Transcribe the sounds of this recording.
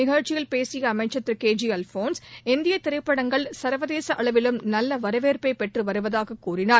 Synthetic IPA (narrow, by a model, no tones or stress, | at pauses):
nɪɣɐɻt͡ʃɪɣɐɭpeːsɪjɐːmɐɪt͡ʃːɐt̪ːɯɾkeːd͡ʒiɐlfoːnsɪnd̪ɪjɐt̪ːɪɾɐɪpːɐɽɐŋɡɐɭsɐɾʋɐðeːsɐʔɐɭɐʋɪlɯmnɐlːɐʋɐɾɐʋeːɾpɐɪpɛʈrɯʋɐɾɯʋɐðaːɣɐkːuːrɪnaːɾ